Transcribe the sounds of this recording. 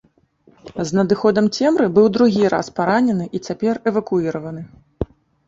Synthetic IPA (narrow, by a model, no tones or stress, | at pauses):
znɐd̪ɨxɔd̪ɐmt͡sʲɛmɾɨbɨwd̪ɾuɣʲiɾa̰spaɾanʲɛnɨʔit͡sʲapʲɛrɛvɐkuiɾɐvɐnɨ